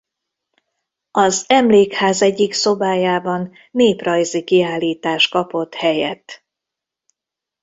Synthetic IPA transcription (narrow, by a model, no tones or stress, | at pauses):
ɒzɛmleːkhaːzɛɟːikso̞baːjaːbɒnː | eːprɒjzikiaːlːiːt̪aːʃkɒpo̞t̪hɛjɛt̪ː